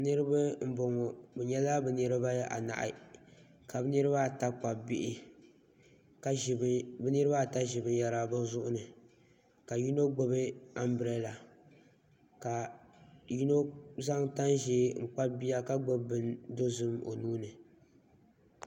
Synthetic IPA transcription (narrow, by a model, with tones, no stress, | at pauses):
nɨ˦ɾɨ˦ba˦m̩˦bo˨ŋɔ˨bɛ˨ɲɛ˦la˦bɛ˨nɨ˦ɾɨ˦ba˦ja˦ʔa̰˨na̰˨ʔɪ̰˨ | ka˨bɨ˦nɨ˦ɾɨ˦ba˦˨ta˦k͡pa˨bɪ˦ʔɪ˦˨ | bɛ˦nɨ˦ɾɨ˦ba˦˨ta˦ʒɪ˨bɨ˨˦ja˨ɾa˦bɨ˦zʊ˦ʔʊ˦nɨ˨ | ka˨ju˦no˦ɡ͡bo˦bɨ˦a˦mbɾɛ˦la˨ | ka˨ | ji˦no˦za˦ŋta˦nʒeː˦ŋ̩˨k͡pa˦bi˦ja˦ka˦ɡ͡bo˦bbɨ˨ndo˦zɨ˦mo̰˨nuː˦nɨ˨